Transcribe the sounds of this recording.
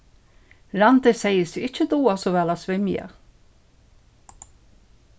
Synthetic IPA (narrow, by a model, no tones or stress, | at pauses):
ɾant̪ɪsɛjəsiɪcːəd̪uːasɔʋɛːlasʋɪmja̰